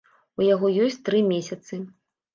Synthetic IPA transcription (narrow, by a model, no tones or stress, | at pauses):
ujaɣɔjɔsʲt͡sʲt̪ɾɨmʲesʲɐt̪sɨ